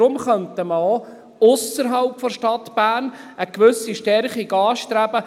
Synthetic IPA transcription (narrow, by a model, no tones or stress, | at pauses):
ʊmχœntəməo | ʊsəɾɦɑlpfɔʃtɑt̪b̥æːnəkʋʏsiʃtɛɾχiɡɑːʃtɾæb̥ə